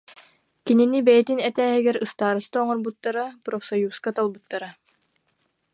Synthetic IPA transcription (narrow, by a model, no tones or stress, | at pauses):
kininibɛjɛt̪inɛt̪æːɦiɡɛɾɯst̪aːɾɯst̪aːŋɔɾbut̪ːaɾapɾɔfsɔjuːskat̪alˠbut̪ːaɾa